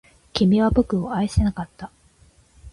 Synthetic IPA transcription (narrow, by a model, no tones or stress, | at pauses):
kʲimiβabo̞kɯ̟oaese̞nakat̪ːa